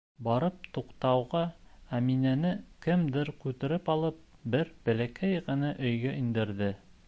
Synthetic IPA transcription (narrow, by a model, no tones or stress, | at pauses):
bɑɾɤp̚t̪uqt̪ɑwʁɑæminænɘkɘmd̪ɘɾkʉt̪ɘ̆ɾɘpɑlˠɤp̚bɘɾbɘ̆lækæjʁɤ̆nɤʔɵ̆jɡæʔind̪ɘ̆ɾðɘ